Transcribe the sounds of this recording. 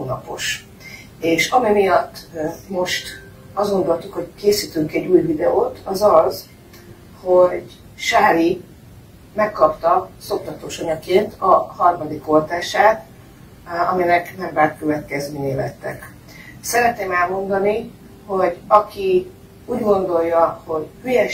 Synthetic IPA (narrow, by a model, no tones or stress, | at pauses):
hoːnɒ̰po̞ʃ | eːʃɒmimijɒt̪ːmo̞ʃt̪ | ɒzɡo̞nd̪o̞lt̪ukho̞ɟkeːsit̪yŋkɛɟːuːjvid̪ɛoːt̪ʰɒzɒz | ho̞ɟ | ʃaːɾi | mɛkːɒpt̪ɒso̞k̚t̪ɒt̪oːʃoɲɒkeːnt̪ʰɒhɒrmɒd̪iko̞lt̪aːʃaːt̪ | ɒminɛknɛmbaːkkøvɛt̪kɛzmeːɲeːlɛ̰t̪ːɛ̰k | sɛɾɛt̪neːmɛlmo̞nd̪ɒni | ho̞ɟɒkʰi | uːɟɡo̞nd̪o̞lːɒho̞ɟhyjɛ